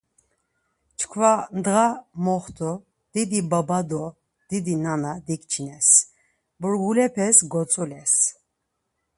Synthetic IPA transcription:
t͡ʃʰkʰvand̪ʁamɔχt̪ʰɔ | d̪̥id̪ibabad̪ɔ | d̪̥id̪inanad̪ikt͡ʃʰinɛs | buɾɡulɛpʰɛsɡɔt͡sʼulɛs

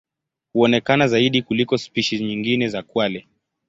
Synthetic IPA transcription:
huɔnɛkanazaiɗikulikɔspiʃizɲiŋɡinɛzakwalɛ

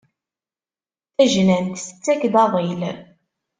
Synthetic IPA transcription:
θæʒnænt̪sə̥t͡sːækðɑðˤil

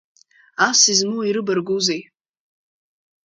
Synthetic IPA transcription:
asizmɨwaiɾɨbarɡuzej

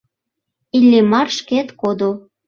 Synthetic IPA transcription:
ilʲːemɑrʃket̪kod̪o

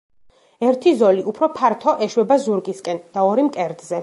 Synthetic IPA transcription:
ɛɾt̪ʰizɔliʔupʰɾɔpʰaɾt̪ʰɔʔɛʃwɛbazuɾɡiskʼɛnd̪̥aɔɾimkʼɛɾd̪zɛ

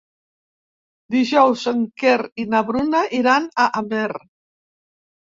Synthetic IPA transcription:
d̪iʒɔwzəŋkeɾinaβɾunaʔiɾanaʔameɾ

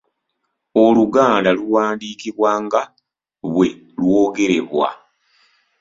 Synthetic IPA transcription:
o̞luɡaːndaluwaːndiːkiβwaːŋɡa | βwe̞ | lwoːɡe̞ɾe̞̰βwa̰

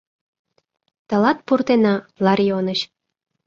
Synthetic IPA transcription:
t̪ə̆lɑt̪̚purt̪enɑlɑrʲijonəɕ

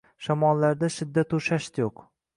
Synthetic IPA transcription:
ʃamɒlːaɾd̪aʃɪd̪ːat̪ʊʃaʃt̪joq

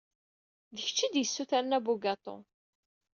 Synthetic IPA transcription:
ðəç̥t͡ʃːid̪jəsːuθæɾnæbuɡɑt̪ˤo̰

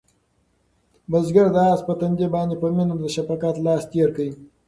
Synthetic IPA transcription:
bəzɡaɾd̪əɑspət̪ɐnd̪ʲebɑːnd̪epəminəmd̪əʃapakɑt̪lɑːst̪eɾkəi

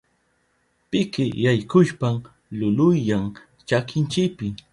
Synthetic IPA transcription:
pɪkɪjajkʊʃpam | lʊlʊjːaŋ | t͡ʃakɪnt͡ʃɪkpɪ

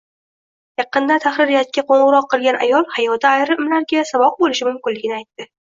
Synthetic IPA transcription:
jɑqɨnd̪at̪ʰaχɾɪɾɪjat̪̚kʲaqʰoɴʁɨɾɒqːɨlˠɡʲana̰jɒlˠhajɒd̪aːjɾɪmlaɾɡʲasavɒq̚bolɪʃɪmʊmkʲɪnlɪɡʲɪnɪajt̪ːɪ

